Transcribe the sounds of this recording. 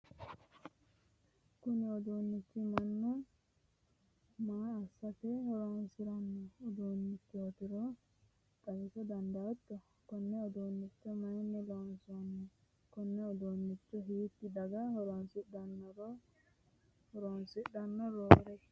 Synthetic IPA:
kʊnɪɔd̪uːnːɪt͡ʃːɪmɐnːʊ | maːsːɐtɛhɔɾonsɪɾɐnːɔɔd̪oːnːɪtːɪɔt̪ɪɾɔ | t̪ʼɐɡɪsɔd̪ɐnd̪ɐt̪ːɔ | kɔnːɛɔd̪oːnːɪt͡ʃːɔmɐjnːɛlɔnsɔnːɛ | kɔnːɛɔd̪oːnːɪt͡ʃːɔɦiːt̪ːɪd̪ɐɡɐhɔɾɔnsɪɗɐnːɔɾɔ | hɔɾɔnsɪɗɐnːɔɾoːɾɛ

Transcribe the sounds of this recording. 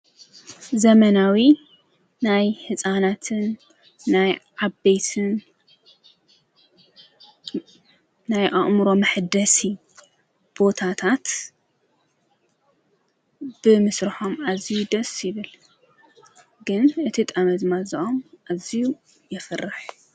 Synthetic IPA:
zɐmɐnawi | najhɨsʼanat̪ʰɨnː | ajʕabejt̪ʰɨn | najʔaχʼmɨɾo̞mɨħd̪ɐsi | b̥o̞t̪ʰat̪ʰat̪ | b̥ɨmɨsɾɨħo̞mazijud̪ɐsʼjɪβɨl | ɡɨnʔɨt̪ʰit̪ʼɐmɐd̪ɨmaziʔomʔaziju | jɪfɨrɨħ

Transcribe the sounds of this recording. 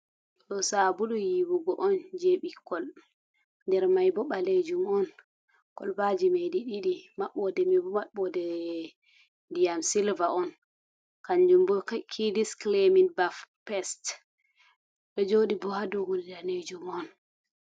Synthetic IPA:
ɗɔsabuɗɔjiwuɡɔʔɔnd͡ʒeɓikɔl | ndɛɾmajbɔɓaled͡ʒumɔn | kɔ̰lbad͡ʒimediɗiɗimaɓːɔdɛmibɔmaɓːɔdɛ | dijamsilvaɔn | kaɲd͡ʒumbɔkʰidiskleminbafpɛst | ɓɛd͡ʒoɗibɔhadɔhulidaned͡ʒumɔn

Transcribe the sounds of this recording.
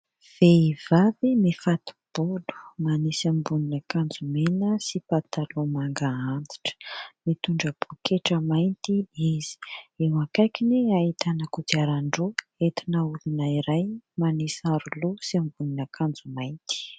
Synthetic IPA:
v̥eivavimifat̪u̥b̥olu̥manisambuninəkand͡zumenəsipat̪alomaŋɡaand͡zi̥ʈ͡ʂə̥mit̪uɳɖ͡ʐəb̥ukʰeʈ͡ʂəmajnt̪iiz̥i̥ewakajkineait̪anəkud͡ʒiaɾaɳɖ͡ʐoet̪inəulunaiɾajmanisaɾulusiambuninəkʰand͡zumajnt̪i̥

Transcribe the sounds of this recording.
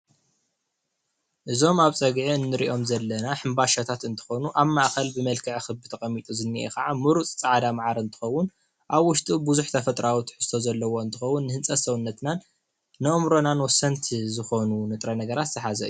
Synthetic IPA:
ʔɨzo̞maβt͡sʼɐɡʕiɨnːɨɾiʔo̞mzɐlːɐnaħɨmbaʃat̪ʰat̪ɨnt̪ʰɨ̥xo̞nuʔaβmaʔxɐlbɨmɐlkʰɨʕxɨβbɨt̪ʰɐχʼɐmːit̪ʼuzɨnːiʔḛkɐʕamɨɾut͡sʼt͡sʼaʕad̪amaʕaɾɨnt̪ʰɨ̥xɐwːʊn | ʔaβwʊʃt̪ʼibuzuħt̪ʰɐfɐt̪ʼɾawit̪ħɨ̥st̪ʰo̞zɐlːɐwo̞ɨnt̪ʰɨxɐwːʊnːɨhɨnt͡sʼɐt̪sɐwunːɐt̪naː | ɐʔɨmɾo̞nanwɔsːɐnt̪ʰzɨxo̞nunɨt̪ʼɾɐnɐɡɐɾat̪zɨħazɐ̰ʔɨju

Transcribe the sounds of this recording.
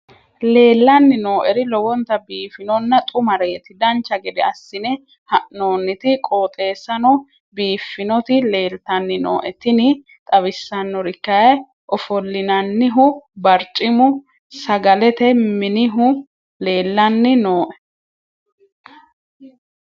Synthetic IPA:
le̞ːlːɐnːɪno̞ːʔɛɾɪlɔwɔnt̪ɐbiːfɪnɔnːɐt̪ʼʊmɐɾeːt̪ɪd̪ɐnt͡ʃːɐɡɛd̪ɛɐsːɪnɛ | hɐʔnoːnːɪt̪ɪkʼoːt̪ʼe̞ːsːɐnɔ | biːfːɪnɔt̪ɪle̞ːlt̪ɐnːɪno̰ːʔɛt̪ɪnɪ | t̪ʼɐβɪsːɐnːɔɾɪkːɐjɐ | ʔɔfɔlːɪnɐnːɪɦʊbɐɾt͡ʃʼɪmʊ | sɐɡɐlɛt̪ɛmɪnɪɦʊ | le̞ːlːɐnːɪnoːʔɛ

